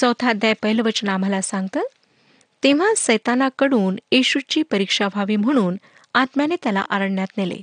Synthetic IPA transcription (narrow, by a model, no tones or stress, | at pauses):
səwt̪ʰad̪jajpəɦilʋət͡ɕnam̤alasãŋɡ̚t̪əː | t̪eʋ̤asəjt̪anakəɽuːnjeɕut͡ɕiːpəɾikʂabʱaʋiːm̤əɽ̃uːn | at̪mjanet̪jala̰ʔaɾəɳːjat̪nelḛ